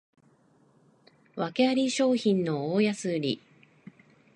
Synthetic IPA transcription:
βake̞aɾʲiɕo̞ːçĩnno̞oːjasɨɾʲḭ

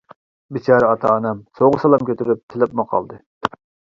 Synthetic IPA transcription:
bɪt͡ʃɑɾɑt̪ʰɑ̰ːnɑmsoʁʊsɑlˠɑmkʲʰøt̪ʰyɾyp̚t̪ʰɪlɪpmʊqʰɑ̰lˠd̪ɨ

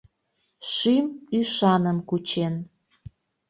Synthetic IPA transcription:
ʃimyʃɑnəmkut͡ɕen

